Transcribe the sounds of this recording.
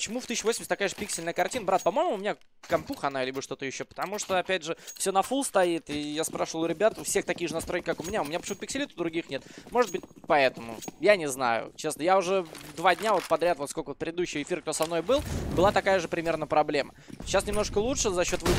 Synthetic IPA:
pə̥t͡ɕɪmuft̪isʲɪːʊvosʲmʲsʲt̪ɐkajʐɨpʲiksʲɪlʲnəjəkɐrtʲinəbɾat̪̚pɐmo̞jmʊmʲɪnʲa | kɐmpuxɐnalʲibəʂt̪o̞t̪əjɪɕːo̞pə̥t̪ɐmuʂt̪oɐpʲædʲʐɨfsʲonɐfulˠst̪ɐit̪ɪjaspɾaʂəvəlˠɾʲɪbʲat̪fsʲext̪ɐkʲijʐɨnɐst̪ɾo̞jʲkʲɪkakʊmʲɪnʲaʊmʲɪnʲapə̥t͡ɕɪmut̪pɪksʲɪlʲit̪ʊd̪ɾʊɡʲixnʲet̪mo̞ʐɨd̪̚bɨt̚ʲpɐɛt̪əmʊ̰janʲɪzna̰jʊ̰t͡ɕesnəjaʊʐɛvd̪vadʲnʲavo̞t̪̚pɐd̪ɾʲat̪vo̞t̪skokəot̪pɾʲɪd̪ɪd̪uɕːɪjɪfʲiɾəkt̪osɐmno̞jbɨlˠbɨlˠat̪ɐkajəʐɨpɾʲɪmʲe̞rnəpɾɐblʲeməɕːasnʲɪmno̞ɨ̥kəlˠuʂɨzɐɕːo̞t̪vɨ

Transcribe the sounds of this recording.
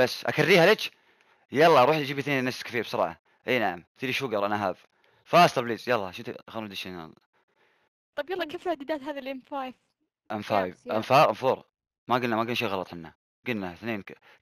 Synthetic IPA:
basːʔa̰karːiːhalet͡ʃ | jɑlˤːɑɾˤuːħd͡ʒiːbiθneːnnːaskḁfiːɾbsɑɾˤɑ̰ːʕɑ̰ | ʔeːnaʕamt̪iːliʃuɡɑɾˤʔanaɦaːb | faːst̪ɑɾbliːzjalˤːɑʃɪnt̪xaund̪iʃina̰l | t̪ˤɑbjɑlˤːɑkeːflad̪ɪd̪aːt̪ɦaːðilʔɪmfajv | ʔɪmfaːjvʔamfaːʔanfuːɾˤ | maɡɪlnːamaɡɪnːʃeːɣɑlɑt̪ˤħɪnːa | ɡɪnːaθneːn

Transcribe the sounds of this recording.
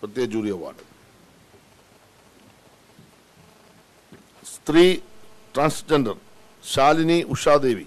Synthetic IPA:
pɾət̪jd͡ʒuːɾiaʋa̰ːɖ | st̪ɾiːʈɾãːnsd͡ʒəɳɖəɾ | ʃaːlniːʔʊʃaːd̪eːʋiː

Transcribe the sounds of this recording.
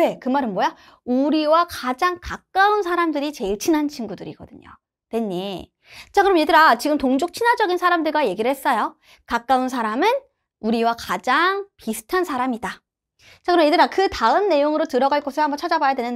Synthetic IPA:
e̞kɯmaɾɯnmwoja | uɾiwakad͡ʑaŋkak͈̚aunsʰaɾamdɯɾit͡ɕe̞ɭt͡ɕʰinant͡ɕʰinɡudɯɾiɡʌ̰dɯɲo̰ | twe̞ɲːi | t͡ɕakɯɾʌmje̞dɯɾat͡ɕiɡɯmtoŋd͡ʑok̚t͡ɕʰinwad͡ʑʌɡinsʰaɾamdɯɭɡaje̞ɡiɾɯɭhe̞s͈ʌjo | kak͈auns̬ʰaɾamɯn | uɾiwakad͡ʑaŋpisʰɯ̥tʰansʰaɾamida | t͡ɕakɯɾʌmje̞dɯɾakɯtaɯnnːe̞joŋɯɾotɯɾʌɡaɭk͈ʌsʰɯɾhambʌnt͡ɕʰad͡ʑabajadwenɯn

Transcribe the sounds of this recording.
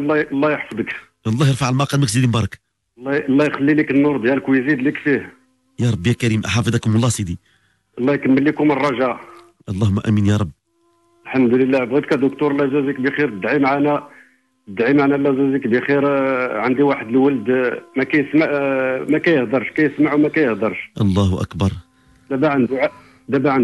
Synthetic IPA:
lːɑlˤːɑjəħfd̪ˤək | ʔɑlˤːɑjəɾˤfaʕəlmɑqɑlməkzid̪imbɑɾˤɑk | lːɑlˤːɑjxælːilikənːʊɾˤd̪jæləkwjzid̪likfih | jɑɾˤɑbːjækæɾimʔħɑfəd̪ˤɑkmlːˤɑsid̪i | ʔɑlˤːɑkəmmːəlːikʊmərˤːɑʒæʔ | ʔɑlˤːɑhʊmːæʔæ̰minjɑɾˤɑbː | lħamd̪ləlːæbɣid̪kæd̪ʊk̚t̪uɾˤlæzæzikbixiɾt̪əd̪ʕimʕanæ | t̪d̪ʕimʕanælːæzæzikbixiɾʕənd̪iwaħəd̪əlwəld̪mækæjəsmaʕmækæjəhd̪ɑɾˤʃkæjəsmaʕuwmækæjəhd̪ɑɾˤʃʔɑlˤːɑhʔæ̰kbɑɾˤ | d̪æbæʕənd̪uʕ | d̪æbæʕən

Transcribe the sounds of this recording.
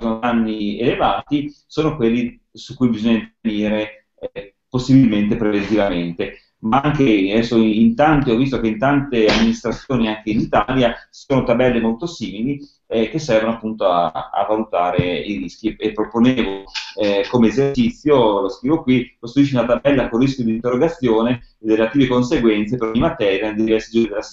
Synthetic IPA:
zonanːielevaːt̪i | soːnokwelːi | sukːujbizoɲːant̪eveniːɾe | posːibilment̪epɾevent̪ivament̪e | maaŋk̟eɛsoint̪ant̪iɔvis̬t̪okeint̪ant̪eamːinist̪ɾat̪sːjoːniaŋk̟einit̪aljḁsoːnot̪abɛlːemolt̪osiːmili | k̟esːɛrvonoapːunt̪oa̰a̰valut̪aːɾeiɾisk̟iepːɾoponeːvo | komeːzert͡ʃit̪sːjoloskɾivokwikost̪ɾuiʃiunat̪abɛlːakorːiskʲjod̪int̪erːoɡat̪sːjoːneː | d̪iɾelat̪iːvekonseɡwɛnt̪sepeɾoɲːimat̪ɛːɾjaned̪idivɛrsid͡ʒuːɾid̪elas

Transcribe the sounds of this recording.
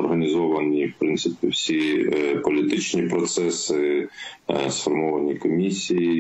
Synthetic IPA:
ɔrɦɐnʲizɔʋɐnʲiwpɾɪnt̪sɪpʲiwsʲipɔlʲit̪ɪt͡ʃnʲipɾɔt̪sɛsɪ | sfɔrmɔʋɐnʲikɔmʲisʲiji

